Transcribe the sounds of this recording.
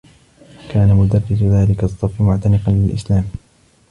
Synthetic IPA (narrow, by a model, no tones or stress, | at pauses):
kaːnamʊd̪ɑrˤːɪsʊðaːlɪkasˤːɑfːɪmʊʕt̪anɪqɑnlɪlʔɪ̰slaːm